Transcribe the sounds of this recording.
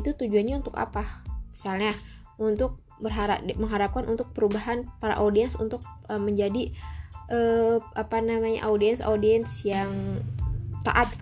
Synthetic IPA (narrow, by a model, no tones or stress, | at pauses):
it̪ut̪ud͡ʒuanɲaunt̪ʊka̰pamisalɲa | unt̪ʊk̚ | bərɦaɾa̰məŋɦaɾap̚kanʔunt̪ʊk̚pəɾubaɦanpaɾa̰ʔodiɛnsṵnt̪ʊk̚ | əməɲd͡ʒadiʔəʔapanamaɲa̰ʔaudiɛnso̰diɛnsjaŋ | t̪a̰ʔat̪̚k